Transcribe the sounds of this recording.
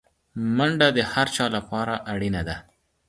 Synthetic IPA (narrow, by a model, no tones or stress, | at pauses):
maɳɖad̪əhaɾt͡ʃɑlapɑɾaʔaɽinad̪a